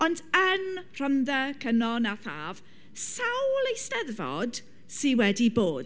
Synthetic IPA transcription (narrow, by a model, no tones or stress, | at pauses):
ɔndənr̥ɔnðɛkʰənɔnaθa̰ːv̥ | sawlejsnɛðvɔ̰d̥ | siwɛdiboːd̥